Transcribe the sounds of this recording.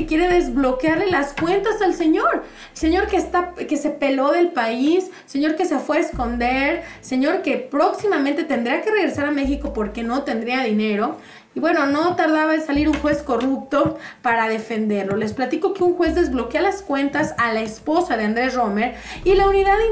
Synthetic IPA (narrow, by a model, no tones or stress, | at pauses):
ekje̞ɾe̞ðe̞zβlo̞kjaɾle̞laskwe̞nt̪asalse̞ɲo̞ɾ | se̞ɲo̞ɾkest̪ake̞se̞pe̞lo̞ðe̞lpaisːe̞ɲo̞ɾke̞se̞fweːsko̞nd̪eɾse̞ɲo̞ɾke̞pɾo̞ksimamẽnt̪e̞t̪end̪ɾiake̞reɣɾe̞saɾame̞xiko̞po̞ɾke̞no̞t̪e̞nd̪ɾiaðine̞ɾo̞ | iβwe̞no̞no̞t̪aɾðaβaðesaliɾuŋxwe̞sko̞rup̚t̪o̞paɾaðe̞fe̞nd̪e̞ɾlo̞le̞splat̪iko̞keuŋxwe̞zðe̞zβlo̞kjealaskwe̞nt̪asalaespo̞saðe̞and̪ɾe̞sro̞me̞ɾilauniðaði